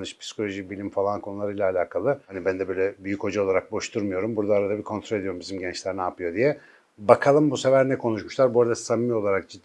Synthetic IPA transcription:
nɯʃpʰi̥si̥kʰo̞lʲo̞ʒibilʲimfalˠankʰo̞nulˠaɾɯjlʲaːlʲaːkʰalˠɯhanibænd̪ɛbø̞jlʲɛbyjycho̞d͡ʒao̞lˠaɾak̚bo̞ʃt̪ʰuɾmujo̞ɾumbuɾd̪aːɾad̪abikʰont̪ɾoe̞d̪ioumbizimɟɛnt͡ʃlʲɛɾnaːpɯjo̞d̪ijɛ | bakʰalˠɯmbuse̞væɾnɛkʰo̞nuʃmuʃlˠaɾbuɾad̪ast̪amːio̞lˠaɾak̚d͡ʒid̪ː

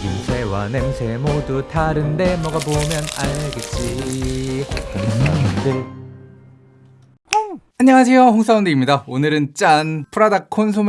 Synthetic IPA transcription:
ɡimsʰe̞wanemsʰemodutʰaɾɯnde̞mʌɡabomjʌnaɭɡet̚t͡ɕ͈i | kananɯnde | aɲʌŋas̬ʰe̞joɸoŋs͈ʰaundeimɲidaonɯɾɯnt͡ɕ͈anpʰɯɾadakʰons̬ʰom

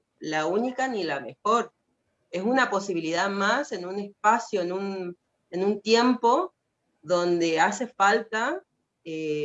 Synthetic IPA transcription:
launikanilame̞xo̞ɾ | e̞sunapo̞siβiliðaðmase̞nune̞spasjoenun | enunt̪je̞mpo̞ | ðo̞nd̪e̞ase̞falt̪a | e

